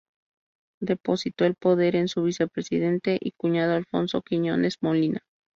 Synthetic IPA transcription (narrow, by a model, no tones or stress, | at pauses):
d̪e̞po̞sit̪o̞elpo̞ðe̞ɾe̞nsuβ̞ise̞pɾesiðe̞nt̪e̞ʔikuɲað̞oalfo̞̰nso̞̰kiɲo̞̰ne̞zmo̞lina